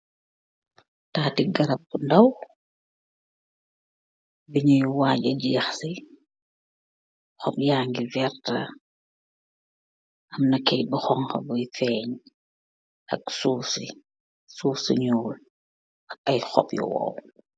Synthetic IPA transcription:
taːtiɡɐɾɐp̚ːundɐw | biɲujwaːɟɐɟijɐxsi | xɔpjaːŋɡivɛɾtɐ̰ | ʔɐmnɐkɛjbixɔŋkɐ̰bɔjfɛːɲ | ʔɐ̰ksuːsi | suːsiɲɔːl | ɐk̚ɐjxɔ̰pjɔ̰wɔ̰w

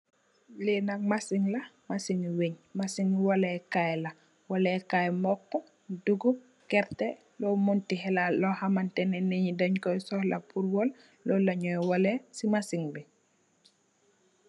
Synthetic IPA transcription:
lenak̚masiŋla | masiŋweɲmasiŋwolɛkajla | wɔlɛkajmɔkːɔ | duɡu | kɛɾte | lɔmuntiɦɛlalɔhamantɛnɛniɲidaɲkɔjsɔhla̰puɾwɔl | lɔlaɲɔjwolesimasiŋbi

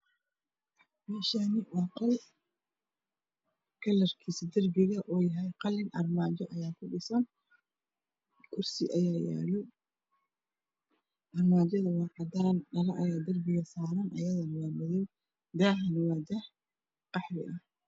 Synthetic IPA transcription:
mɛːʃanɪwɑːqɑl | kʰɐlɐrkʰiːsɪd̪ɐrbɪɣɐʔɔːjɐɦɛjqɑlːɪnʔɐrmaːt͡ʃɔʔɐjaːkʰʊɖɪsɐn | kʰʊrsɪʔɐjaːja̰ːlɔ | ʔɐrmaːt͡ʃɐðɐwɑːʕɑd̪aːnɖɐlɐʔɐjaːd̪ɐrbɪɣɐsaːɾɐnʔɐ̰jɐðɐnɐwɑːmɐðɔw | d̪aːhɐnɐwɑːd̪ɐh | qɑħɾɪ̰ʔɐ

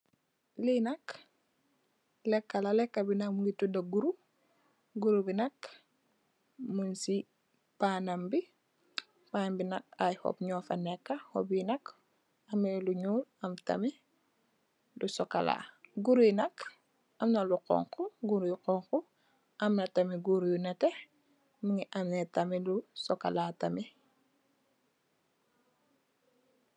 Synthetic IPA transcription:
linak | lekːalalekːabinakmuŋɡitudaɡuɾu | ɡuɾubinak | munsi | panambi | panambinak̚ajho̰pɲɔfanekːaho̰binak | ameluɲuːlɐmta̰mi | dusɔkala̰ːɡuɾujnɐk | ʔɐmnɐluqɔ̰ŋkuɡuɾjqɔŋku | ʔɐmnɐtamiɡuɾjunɐte | miŋiʔamnetamilusɔka̰laːtami

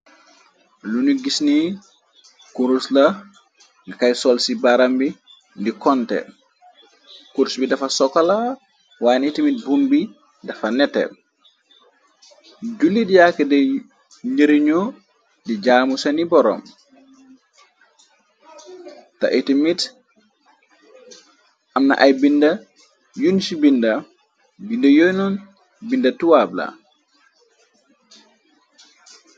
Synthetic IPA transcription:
luniɡisni | kuɾusla | ŋakajsɔlsibaɾambi | ndikɔntɛ̰ | kuɾsbidafasɔkala | wanitimit̚bunbi | dafanɛtɛ̰ | d͡ʒulːidjakɛdɛ | ɲəɾiɲɔ | did͡ʒaːmusanibɔɾɔ̰m | ta̰ʔitimit | ʔamna̰ʔajbinda | junsibinda | bindajɔjnɔn | bindatuwabla̰

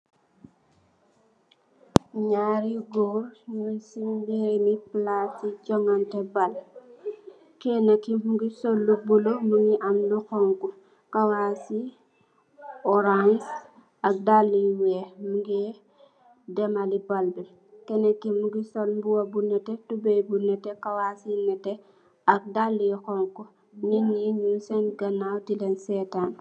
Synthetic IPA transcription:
ɲaɾiɡɔːrɲusimbiɾniplasiɟɔŋɐntɛbal | kɛnɐkːimuɡisɔlːubulomuŋiʔɐmluxɔŋku | kɐwasi | ɔɾans | ɐk̚dalːiwɛmuɡɛ | dɛmalibalbil | kɛnɐkːimuɡisolmbuwɐbunɛtɛtubɛjbunɛtɛkɐwasinɛtɛ | ɐk̚dalːixɔŋku | ninːiɲunsɛnɡɐnawtilɛnsɛtan

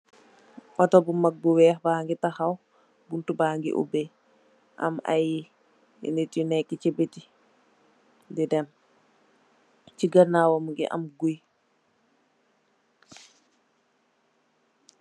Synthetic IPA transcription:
ʔɔtɔbumak̚buwɛːhbaːŋɡɛtahaw | buntubaŋɡḭʔṵbɛ | ʔa̰mʔa̰ji | ɛ̰ndetinɛkːɛt͡ʃebeti | dɛdɛm | t͡ʃiɡaɾnawɔmuŋɡɛ̰ʔa̰mɡuj

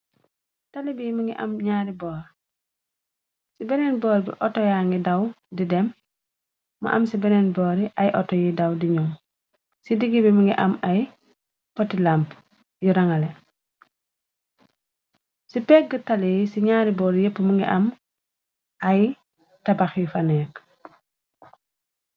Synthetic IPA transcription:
talibimɐŋɡiʔɐ̰mɲaːɾibɔːɾ | sibɛnɛnbɔːɾibḭʔɔtɔjaːŋɡidɐw | didɛmː | ɐ̰ʔɐmsibɛnɛnbɔːɾiʔɐjʔɔ̰tɔjidɐwdiɲɔm | sidiɡibiməŋɡiʔɐmɐj | pɔtilamp | jiɾɐŋɐlɛ | sipɛk̚ɡətalijisiɲaːɾibɔːɾjəpːəmuŋɡiʔɐm | ʔɐj | tɐbaxjufɐnɛːk

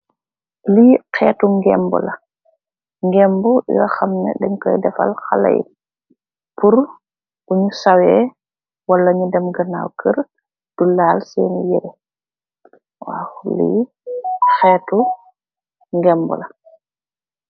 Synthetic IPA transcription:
liːkɛːtuŋɡɛmbɔ̰la | ŋɡɛmbɔjɔxamnɛ̰dɛŋkɔjdɛfa̰lxala̰j̰ | puɾ | ʔuɲusawɛ | walːaɲudɛmɡana̰ːwkʰəɾ | d̥ulaːlsɛ̰ːnijɛɾɛ | waxulḭː | xɛːtu | ŋɡɛmbɔ̰la

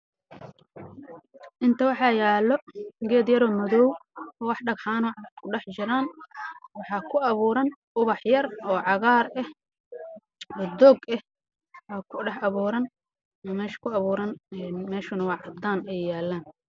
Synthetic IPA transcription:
ʔɪnt̪ʰɐwɑħɑjaːlːɔɡɛːd̪jɐɾɔːmɐðɔwɔːwɑħɖɐɡħaːnɔːʕɑd̪kʰʊɖɛħt͡ʃɪɾaːnwɑħɑːkʰʊɐβuːɾɐnʔʊβɑħjɐrɔːʕɑɣaːɾɐh | ɔːd̪ɔɡɛh | waːkʰʊɖɛħɐβuːɾɐn | mɛːʃkʰʊɐβuːɾɐnɛːmɛːʃʊnɐwɑːʕɑd̪aːnɛjjaːlːaːn

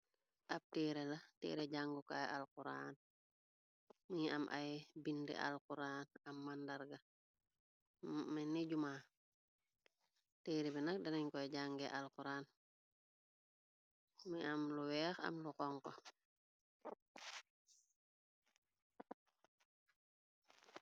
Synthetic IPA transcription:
ʔap̚tiːɾelɐtḭːɾeɟaŋɡuka̰jʔa̰lkuɾa̰ːn | mia̰mʔa̰jbindɛ̰ʔa̰lkuɾaːnɐmːandaɾɡɐ | meniɟumaː | teːɾibinɐk̚dɐniɲkɔɟaŋɡɛʔalkuɾaːn | miamluwɛːxa̰mlukɔŋkɔ

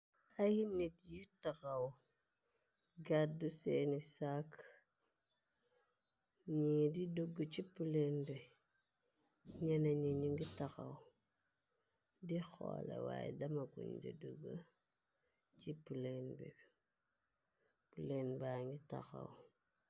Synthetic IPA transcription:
ahinitjitakaw | ɡadusenisak | ɲididuɡut͡ʃipulenbe | ɲenaɲiɲiŋɡitaxaw | dixo̰lḛwa̰jdamakṵɲdḭduɡa | t͡ʃipulenbḛ | pulenbaŋɡita̰xa̰w

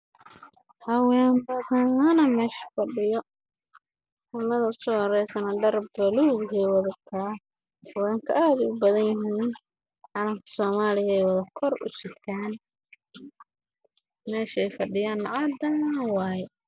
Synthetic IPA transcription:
hɐwɛːmbɐtɐɐnɐmɛːʃɐ̥fɐɖɪjɔ | ʔʊmɐðɐʊsɔːhɐɾɛjsɐnɐɖɐrbɐluːɡhɛjwɐðɐkʰaː | hɐwɛːŋkʰɐʔaːðɪʊbɐðɐnjɪɦiːn | ħɑlɐŋk̪ʰɐ̥sɔːmaːlɪɣɐɛjwɐðɐkʰɔrʊ̰sɪt̪ʰaːn | mɛːʃɛjfɐɖɪjaːnːɑʕɑd̪ɐwɑːjɛ

